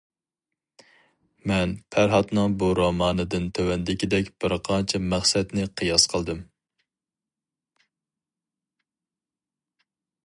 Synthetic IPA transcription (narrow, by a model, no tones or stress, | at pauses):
mɛnpʰæɾɦɑt̪nɨŋbuɾomɑːnɨd̪ɨnt̪ʰøwɛnd̪ɪkʲid̪ɛkʲb̥ɪɾqʰɑnt͡ʃʰɛmæχsɛt̪nɪqʰɨjɑsqʰəlˠd̪ɨm